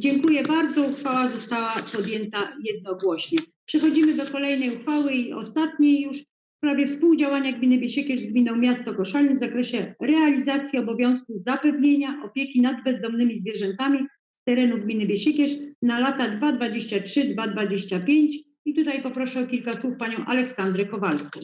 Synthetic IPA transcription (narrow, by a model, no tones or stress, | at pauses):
d͡ʑɛŋkujɛbaɾd̪zɔuxfawazɔst̪awapɔd̪jɛnt̪ajɛd̪̚nɔɡwɔɕɲɛ | pʂɛxɔd͡ʑimɘd̪ɔkɔlɛjnɛjuxfawɘiɔ̰st̪at̪ɲejjuʂ | fpɾavʲjɛfspuwd͡ʑawaɲaɡmʲinɘbʲjeɕɛkʲɛʐzɡmʲinɔ̃w̃mʲjast̪ɔkɔʂalʲivzakɾɛɕɛɾɛalʲizat̪sʲjiɔbɔvʲjɔ̃w̃skuvzapɛvɲeɲaʔɔpʲjekʲinad̪bɛzd̪ɔmnɘmʲizvʲjɛʐɛnt̪amʲi | st̪ɛɾɛnuɡmʲinɘbʲjeɕɛkʲɛʂnalat̪ad̪vad̪vad͡ʑeɕt͡ɕatʂɘd̪vad̪vad͡ʑeɕt͡ɕapʲjeɲt͡ɕ | it̪ut̪ajpɔpɾɔʂɛɔkʲilkaswufpaɲɔ̃w̃ʔa̰lɛksand̪ɾɛkɔvalskʲɛ̰